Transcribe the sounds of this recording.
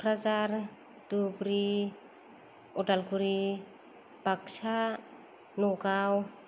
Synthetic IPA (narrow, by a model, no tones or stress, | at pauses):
kʰɾazaɾ | d̥ubɾi | ɔtalkuɾi | b̥aksa | nɔɡaw